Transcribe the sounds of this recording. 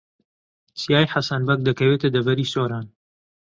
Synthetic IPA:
t͡sijaːjħasɐnbɐk̚d̪ɐkɐweːt̪ɐd̪ɐvɐɾiːsoːɾaːn

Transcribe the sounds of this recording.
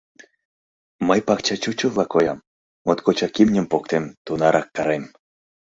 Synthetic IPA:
məjpɑkt͡ɕɑt͡ɕut͡ɕə̆vlˠɑkojɑm | mot̪kot͡ɕɑkimnʲə̆mpokt̪emt̪unɑɾʔɑkːɑɾem

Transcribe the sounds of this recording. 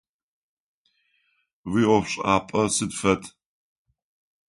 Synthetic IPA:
wiɔpɕʼa̰ːpʼɐsɨdfɐtʼ

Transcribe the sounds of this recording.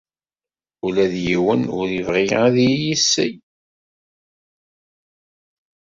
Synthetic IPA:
ulæðjiwənʊ̰ɾivʁiæðijisːəj

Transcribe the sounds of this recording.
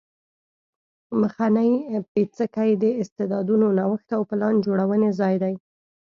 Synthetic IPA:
məxanəjpet͡səkajd̪əɪst̪ed̪ɑd̪unonawəxt̪awpəlɑnd͡ʒoɽawənezɑjd̪aj

